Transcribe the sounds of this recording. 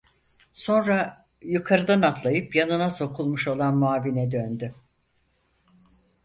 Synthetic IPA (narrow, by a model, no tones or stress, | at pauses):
so̞nɾa | jukʰaɾɯd̪anat̪lˠajɯpjanɯnaso̞kʰulˠmuʃo̞lˠanmaːvinɛd̪ønd̪y